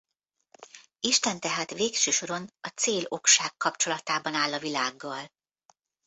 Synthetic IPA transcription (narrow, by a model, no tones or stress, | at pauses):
iʃt̪ɛnt̪ɛɦaːt̪ʋeːkʃøːʃo̞ɾo̞nɒt̪seːlo̞kʃaːkːɒpt͡ʃo̞lɒt̪aːbɒnaːlːɒvilaːɡːɒl